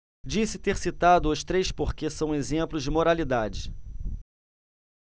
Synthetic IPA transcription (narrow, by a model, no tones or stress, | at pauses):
d͡ʒisɪt̪eɾsit̪ad̪ʊʊst̪ɾejspoχkesɐ̃w̃ezẽmplʊzd͡ʒɪmoɾalid̪ad͡ʒɪ